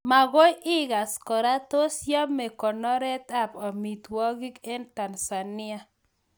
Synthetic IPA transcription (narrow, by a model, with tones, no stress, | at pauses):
ma˨ɡo˦jɪ˦ɡa˨skɔ˨ɾa˦t̪o˦sja˦me˨kɔ˨nɔ˦ɾɛ˦t̪a˦˨pɔ˨mi˨t̪wɔ˦ɡi˦ke˦nta˨nsa˨nɪ˦a˦